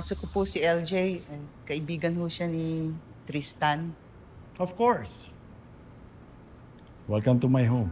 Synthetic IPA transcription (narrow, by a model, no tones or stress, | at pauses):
sokopʊsɪʔɛld͡ʒejʔɐjkɐʔɪbiːɡɐnhoʃanɪt̪ɾist̪an | ɔvkɔɹs | wɐɡ̚kɐnt̪ʊmajɦom